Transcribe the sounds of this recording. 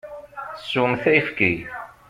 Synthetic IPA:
sːumθæjfki

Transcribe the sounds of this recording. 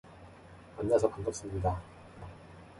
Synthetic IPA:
anːasʰʌkaŋɡʌp̚s͈ɯmɲida

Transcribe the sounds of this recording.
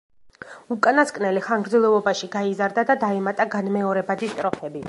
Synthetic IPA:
ukʼanaskʼnɛliχaŋɡɾd̪zɛlˠɛvɔbaʃiɡaizaɾd̪ad̪ad̪aɛmat̪ʼaɡanmɛɔɾɛbad̪ist̪ʼɾɔpʰɛbi

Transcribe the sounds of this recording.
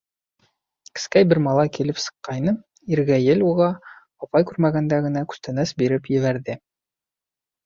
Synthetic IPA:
kɘ̥̆skæjbɘɾmɑlˠɑjkilɘpsɤ̥̆qːɑjnɤ | iɾɡæjɘluʁɑ | ɑpɑjkʉɾmæɡænd̪æɡɘ̆nækʉ̥st̪ænæsbiɾɘpjɘ̆βæɾðɘ

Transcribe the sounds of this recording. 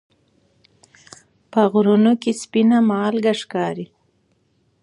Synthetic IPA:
pəɣɾunokespinamɑːlɡaʂkɑːɾi

